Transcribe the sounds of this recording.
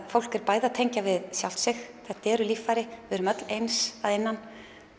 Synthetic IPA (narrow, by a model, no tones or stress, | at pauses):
fowl̥kɛɾ̥paːjðat̪ʰejɲcavɪðsjawl̥t̪sɪxθɛht̪aɛːɾʏlifːajɾɪvɪɾʏmœt̪lejnsaðejnːan